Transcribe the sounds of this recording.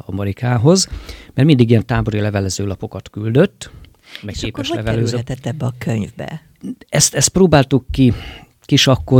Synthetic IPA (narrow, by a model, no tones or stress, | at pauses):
ɒmɛɾikaːɦo̞zmɛrmind̪iɡijɛnt̪aːbo̞ɾilɛvɛlɛzøːlɒpo̞kɒt̪kyld̪ø̞t̪ː | mɛkkeːpːɛʃɛvɛløːt̪ɛt̪ːɛbːɛɒkʰøɲvbɛ̰ | ɛst̪ɛst̪̚proːbaːlt̪ukːi | kiʃɒkːo